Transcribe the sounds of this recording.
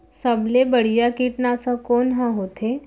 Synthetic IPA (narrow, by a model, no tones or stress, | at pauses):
səblebəɽ̤ijakiːʈnasãkoːnɦãɦot̪ʰe